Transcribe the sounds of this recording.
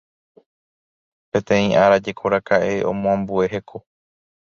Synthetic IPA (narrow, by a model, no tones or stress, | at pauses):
pẽ̞t̪ẽ̞ĩʔaɾad͡ʒe̞kʰo̞ɾakaʔe̞õ̰mõãmbue̞ɦe̞kʰo̞